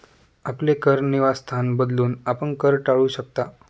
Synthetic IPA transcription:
aplekəɾniʋast̪ʰanbəd̪luːnapəɳkəɾʈaɭuːɕək̚t̪a

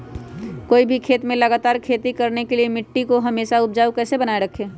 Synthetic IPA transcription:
koːibʱikʰeːt̪mẽləɡaːt̪aːɾkʰeːt̪ikɐɾnekeliemɪʈːikoɦɐmeːʃaʊp̚d͡ʒaːukɛːsebənaːeɾəkʰeː

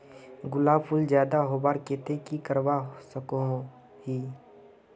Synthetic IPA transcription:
ɡʊlaːbpʰʊld͡ʒjaːd̪aɦoːbaːɾkeːt̪ekikəɾwasəkoɦ | ɦiː

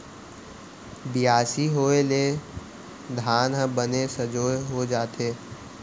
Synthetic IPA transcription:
bɪjaːsiɦoːeleː | d̪ʱaːnɦə̃bənesəd͡ʒoːjɦod͡ʒaːt̪eː

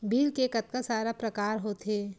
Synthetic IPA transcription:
biːlkekɐt̪̚kasaːɾapɾɐkaːɾɦoːt̪eː

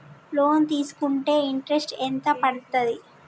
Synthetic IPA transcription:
loːnt̪iːsu̥kuɳʈe̞ːiɳʈɾesʈent̪ɐpɐɽt̪ɐd̪i

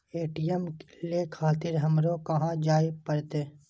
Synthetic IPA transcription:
eːʈijɛmklekʰaːt̪ɪɾɦɐmɾokɐɦãd͡ʒaːipəɾt̪eː

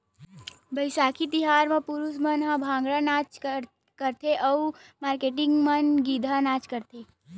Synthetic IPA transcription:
bəɪsaːkit̪ɪɦaːɾmẽpʊɾusmənɦãbʱãːŋ̆ɡɽanaːt͡ʃ | kəɾt̪ʰeʔɔmaːɾkeːʈɪŋɡmənɡiːd̪ʱanaːt͡ʃkəɾt̪ʰeː

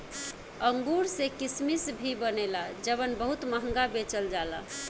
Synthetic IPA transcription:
əŋɡuɾsekismisbʱibənelad͡ʒəβənbəɦut̪məɦəŋɡabet͡ʃəld͡ʒala

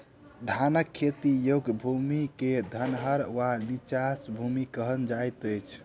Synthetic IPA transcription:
d̪ʱanəkʰːet̪ijoɡbʱumiked̪ʱənɦəɾwanit͡ʃasbʱumikəɦənd͡ʒajt̪əjt͡ʃʰ

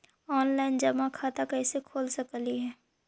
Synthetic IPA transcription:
ɔːnlaːɪnd͡ʒɐmakʰaːt̪akɐisekʰoːlsɐkliɦɛː

